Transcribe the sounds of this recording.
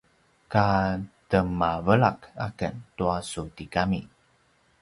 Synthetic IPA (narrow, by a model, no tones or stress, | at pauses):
katəmavəɭaka̰kəntuasutikami